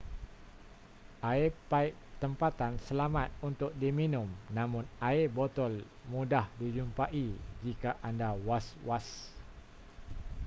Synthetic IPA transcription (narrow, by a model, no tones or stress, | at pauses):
ʔaepaiʔ | t̪əmpat̪ansəlamat̪̚unt̪ʊk̚diminʊmnamʊnaebɔt̪ɔl | mudahdid͡ʒumpaʔid͡ʒikaʔandawaswas